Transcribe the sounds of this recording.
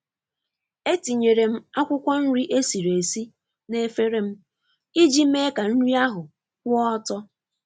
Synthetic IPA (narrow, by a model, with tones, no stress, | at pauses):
e˦ti˨ɲe˨ɾe˨m̩˦a˦kʷʊ˦kʷɔ˦n̩˦ɾi˦ʔe˦si˨ɾe˨si˦ | ne˦fe˦ɾe˦m̩˦ | i˦d͡ʒi˦m̩˦e˦ka˨n̩˦ɾi˦a˦ɦʊ˨ | kʷʊ˦ɔ˦tɔ˦